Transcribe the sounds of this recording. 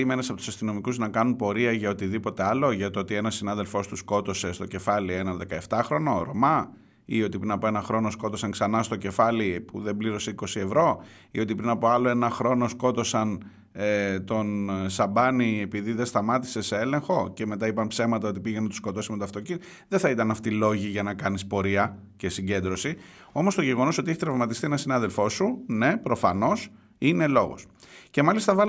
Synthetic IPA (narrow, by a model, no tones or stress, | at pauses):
imenɐsɐpo̞t̪u̥sɐst̪ino̞mikuznɐkɐnunpo̞ɾiɐʝɐo̞t̪iðipo̞t̪e̞ɐlo̞ʝɐt̪oot̪ie̞nɐsinɐðe̞lfo̞st̪usko̞t̪o̞se̞st̪oce̞fɐlie̞nɐnðe̞kɐeft̪ɐxɾo̞no̞ɾo̞mɐ | io̞t̪ipɾinɐpo̞e̞nɐxɾo̞no̞sko̞t̪o̞sɐŋksɐnɐst̪o̞ce̞fɐlipuðe̞mbliɾo̞se̞iko̞sie̞vɾo̞ | io̞t̪ipɾinɐpo̞ɐlo̞e̞nɐxɾo̞nosko̞t̪o̞sɐn | et̪o̞nsɐbɐnie̞piðiðest̪ɐmɐt̪i̥se̞se̞e̞le̞ŋxo̞ce̞me̞t̪ɐipɐnpse̞vmɐt̪ɐo̞t̪ipiʝenɐt̪u̥sko̞t̪o̞simet̪oɐft̪o̞cini | ðe̞θɐit̪ɐnɐft̪ilo̞ʝiʝɐnɐkɐnispo̞ɾiɐ | ce̞siɲɟe̞nd̪ɾo̞si | o̞most̪o̞ʝe̞ɣo̞no̞sot̪ieçit̪ɾɐvmɐt̪ist̪ienɐsinɐðe̞lfo̞sune̞pɾo̞fɐno̞s | ine̞lo̞ɣo̞̰sce̞mɐlist̪ɐvɐ